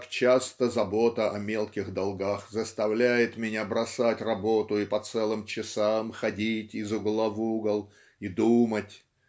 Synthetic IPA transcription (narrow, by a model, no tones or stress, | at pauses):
kt͡ɕast̪əzɐbot̪əʔɐmʲe̞lˠkʲɪɣd̪ɐlˠɡaxzəst̪ɐvlʲæjɪt̪mʲɪnʲabɾɐsatʲrɐbo̞t̪ʊɪpɐt̪sɛlˠɨmt͡ɕɪsamxɐdʲitʲɪzʊɡlˠavuɡəlˠ | id̪umətʲ